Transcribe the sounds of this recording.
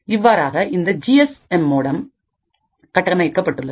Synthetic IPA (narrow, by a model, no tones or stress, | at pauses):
ɪʋːaːɾaːɣɐʔɪnd̪ɐd͡ʒiɛsɛmːoːɽɐm | kɐʈːɐmɐjɪkːɐpːɐʈːɯɭːɐð